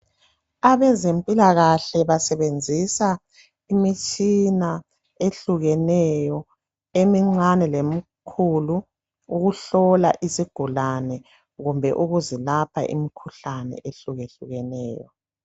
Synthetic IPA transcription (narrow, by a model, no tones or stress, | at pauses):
aβɛzempʼilaɣaɬɛβasɛβend͡zʱisa | imit͡ʃʼina | eɬuɣɛnɛjɔ | emiŋ͡ǀanɛlemikʰuluː | ɣuɬɔlaʔisiɡ̥ʱulanɛ | ɣumbʱɛʔuɣuzilapʰa̰ʔḭmikʰuɬanɛ̰ʔeɬuɣeɬuɣɛnɛːjɔ